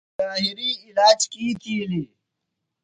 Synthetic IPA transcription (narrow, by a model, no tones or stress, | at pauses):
aːɦɪɾiːɪlaːd͡ʒkiːk̪iːliː